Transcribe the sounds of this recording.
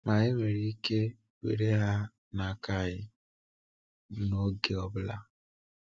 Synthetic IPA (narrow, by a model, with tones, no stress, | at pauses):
ma˨ɣe˦me˨ɾi˦i˦ke˦ | wʷḛ˨ɾe˦ɦa˦ | na˨ka˦˨ɣɪ˦ | no˦ɡe˦ɔ˦bʊ˦la̰˦